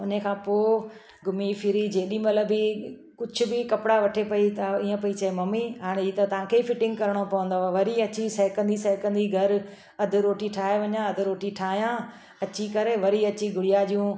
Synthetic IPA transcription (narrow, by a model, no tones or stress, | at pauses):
ʊn̤ekʰãːpoː | ɡʱʊmifʰɪɾid͡ʑeːɗĩmɐt̪ləbikʊd͡ʑʱʰʊ̆bɪkɐpɪɽaʋɐʈʰepɐit̪ɐiːə̃pɐit͡ɕɐemɐmiɦaːɽ̃et̪ɐt̪ɐʋ̤ãːkʰeifɪʈɪ̃ŋɡkɐɾəɽ̃opɐʋə̃nd̪oaʋɐɾiɐt͡ɕisɐɦɪkə̃nd̪isɐɦɪkə̃nd̪iɡʱɐɾ | ɐd̪ʱɪ̆ɾoːʈiʈʰaːɦeʋɐɲãɐd̪ʱɪɾoːʈiʈʰaːɦijãː | ɐt͡ɕikɐɾeʋɐɾiɐt͡ɕiɡʱʊɽɪjaʄijũ